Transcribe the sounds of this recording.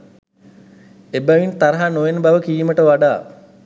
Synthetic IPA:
ebæʋint̪aɾɐɦanoʋenbaʋəkiːməʈəʋaɖaː

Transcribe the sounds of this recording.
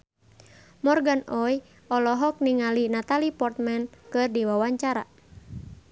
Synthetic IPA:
mɔrɡanɔj | ɔlɔɦɔk̚niŋalinat̪alipɔrt̪̚mɛnkɨrdiwawaɲt͡ʃaɾa

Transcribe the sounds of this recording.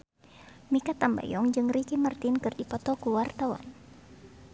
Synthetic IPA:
mikat̪amba̰jɔŋd͡ʒɨŋrikimart̪ɪnkɨrdipɔt̪ɔkuwart̪awa̰n

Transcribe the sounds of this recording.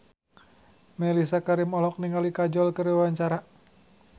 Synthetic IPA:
mɛlisakaɾimɔlɔk̚niŋalikad͡ʒɔlkəɾiawaɲt͡ʃaɾa

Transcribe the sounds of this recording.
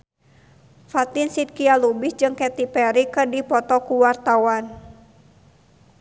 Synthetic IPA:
fat̪insit̪̚kialubisd͡ʒɨŋkɛt̪ipɛɾikɨrdipɔt̪ɔkuwart̪awan

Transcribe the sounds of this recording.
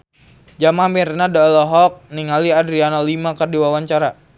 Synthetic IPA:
d͡ʒamamirnadlɔɦɔk̚niŋaliadɾianalimakərdiwawaɲt͡ʃaɾa

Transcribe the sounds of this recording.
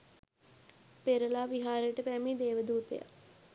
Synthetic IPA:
peɾəlaːʋiɦaːɾəjəʈəpæmiːd̪eːʋəd̪uːt̪ḛja̰

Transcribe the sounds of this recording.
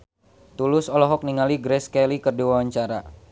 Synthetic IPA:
t̪ulʊsɔlɔɦɔk̚niŋaliɡɾɛskɛlikərdiwawaɲt͡ʃaɾa

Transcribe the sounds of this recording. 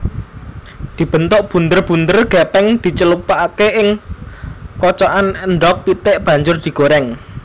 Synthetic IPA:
d̪̥i̤b̥ə̤nt̪ʊʔb̥ṳnd̪ərb̥ṳnd̪ərɡ̥ɛpɛŋd̪̥i̤t͡ʃəlupaʔakeʔɪŋ | kɔt͡ʃɔʔanənɖɔk̚pit̪ɪʔb̥a̤ɲd͡ʒʊrd̪̥i̤ɡ̥oɾɛŋ

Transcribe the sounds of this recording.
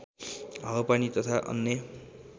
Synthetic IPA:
ɦawʌpanit̪ʌt̪ʰaʔʌ̰nːe

